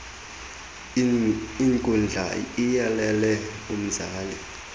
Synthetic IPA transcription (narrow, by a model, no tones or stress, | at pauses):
iŋkʼund͡ɮʱa̰ijalɛlɛ | um̩zaːli